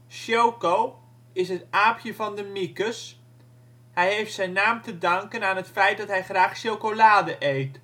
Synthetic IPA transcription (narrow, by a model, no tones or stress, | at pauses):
ʃjowkow | ɪsɦətaːpʰjəvɑndəmikəs | hɛjɦejftsɛjnːaːmtədɑŋkənaːnɦətfɛjt̚dɔtɦɛjχraːχʃowkolaːdəʔejt